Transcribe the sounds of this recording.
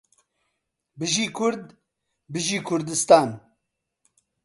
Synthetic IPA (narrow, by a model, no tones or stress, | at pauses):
bɨʒiːkʰʊɾd̪ | bɨʒiːkʰʊɾd̪ɨst̪aːn